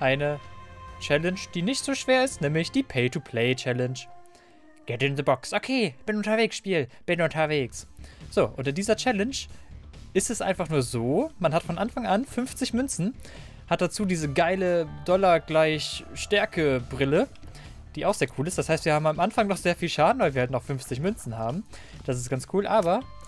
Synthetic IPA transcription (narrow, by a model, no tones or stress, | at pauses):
ʔaɪnət͡ʃɛlɛnʃd̥iːnɪçtz̥oːʃv̥eːɐɪstnɛːmlɪçd̥iːpʰeɪtʰupʰl̥eɪt͡ʃɛlɛnʃ | ɡ̥ɛtɪnðəbɔksʔokʰeːb̥ɪnʊntɐveːksʃpiːlb̥ɪnʔʊntɐveːksz̥oːʔʊntɪndiːzɐt͡ʃɛlɛnʃ | ʔɪstɛsʔa̰ɪnfaχnuːɐzoːmanhatfɔnʔanfaŋʔanfʏnft͡sɪçmʏnt͡sn̩ | hat̚d̥at͡suːdiːzəɡaɪlədɔlɐɡlaɪçʃtɛɐkəbʁɪlə | d̥iːʔaʊxz̥eːɐkʰuːlɪstd̥ashaɪstviːɐhaːbm̩amʔanfaŋnɔχz̥eːɐfiːlʃaːdn̩vaɪviɐhaltnɔχfʏnft͡sɪçmʏnt͡sn̩haːbm̩ | d̥asɪstɡ̥ant͡skʰuːlʔaːbɐ